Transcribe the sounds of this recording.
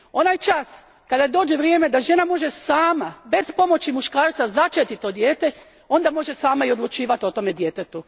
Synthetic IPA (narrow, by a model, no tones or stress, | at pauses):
o̞najt͡ʃas | kad̪ajd̪o̞ːd͡ʒeʋɾjeːme̞d̪aʒe̞namo̞ʒe̞saːmabe̞spo̞mo̞t͡ɕimuʃkaːɾt̪sazat͡ʃet̪it̪ːod̪jeːt̪e̞ | o̞nd̪amo̞ʒe̞saːmaio̞d̪lˠut͡ʃiːʋat̪o̞t̪o̞me̞d̪jet̪et̪u